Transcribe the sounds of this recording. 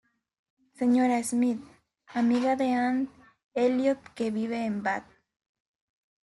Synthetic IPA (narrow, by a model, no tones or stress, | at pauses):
seɲoɾaesmit̪ | amiɣaðean̚ | eljot̪keβiβeːmbat̪̚